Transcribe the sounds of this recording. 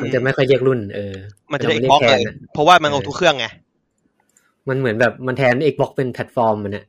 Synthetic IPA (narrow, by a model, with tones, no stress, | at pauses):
ma˧nt͡ɕa˨˩ma˥˩jkʰɔ˥˩jli˥˩ək̚ɾu˥˩nʔɤː˧ma˧nː˨˩˥kt̪ʰːa˨˩pʰɔ˦˥waː˥˩ma˧nʔa˧˩u˦˥kʰɯ˥˩əŋːa˧ | ma˧nmɯ˩˦nbɛː˨˩p̚ma˧nt̪ʰɛː˧nʔeː˨˩k̚bɔ˦˥k̚pe˧npʰɛ˨˩t̪̚fɔː˧mːa˧na˨˩ʔ